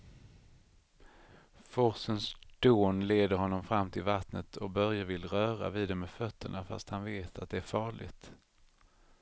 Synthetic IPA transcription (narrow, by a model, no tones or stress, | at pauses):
fɔɾsənsd̪̥oːnleːd̪əɾhɔnːɔmfɾamːt̪ʰɪlvat̪nət̪ʰɔkbœɾjavɪlɾœːɾa̰viːd̪ɛmɛfœt̪ʰːəɳafa̰st̪hanveːt̪ʰat̪̚d̪ɛæɾfɑːɭɪ̰ɡt̪